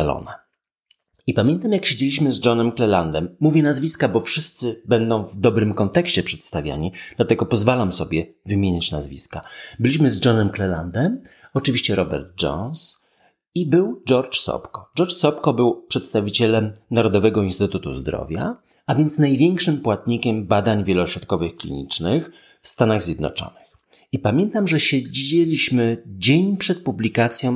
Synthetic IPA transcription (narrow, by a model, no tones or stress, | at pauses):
alɔ̰na | ipamʲjɛnt̪amjakɕed͡ʑelʲiɕ̬mɘzd͡ʐɔnɛmklɛland̪ɛmːuvʲjɛnazvʲiskabɔfʂɘst̪sɘbɛnd̪ɔ̃w̃vd̪ɔbɾɘmkɔnt̪ɛkɕt͡ɕɛpʂɛt̪st̪avʲja̰ɲid̪̥lat̪ɛɡɔpɔzvalamsɔbʲjɛvɘmʲjeɲat͡ɕnazvʲḭskabɘlʲiɕ̬mɘzd͡ʐɔnɛmklɛla̰nd̪ɛm | ɔt͡ʂɘvʲiɕt͡ɕɛɾɔbɛ̰ɾd̪̚d͡ʐɔ̰ns | ibɘwd͡ʐɔɾt͡ʂsɔ̰pkɔɖ͡ʐɔɾt͡ʂsɔpkɔbɘwpʂɛt̪st̪avʲit͡ɕɛlɛmnaɾɔd̪ɔvɛɡɔinst̪ɘt̪ut̪ṵzd̪ɾɔ̰vʲja̰ | avʲjɛnt̪snajvʲjɛŋkʂɘmpwat̪̚ɲikʲɛmbad̪aɲvʲjɛlɔɕɾɔt̪̚kɔvɘxklʲḭɲḭt͡ʂnɘx | fst̪anaɣzʲjɛd̪nɔ̰t͡ʂɔ̰nɘx | ipamʲjɛnt̪amʐɛɕɛd͡ʑelʲiɕmɘd͡ʑeɲpʂɛt̪̚publʲikat̪sʲjɔ̃w̃